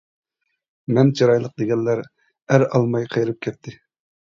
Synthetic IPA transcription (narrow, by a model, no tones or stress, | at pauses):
mɛnt͡ʃʰɑɾɑjlˠəq̚d̪eɡʲɛnlːæɾ | æɾɑlˠmɑjqʰejɾɨp̚kʲʰɛt̪ʰːɪ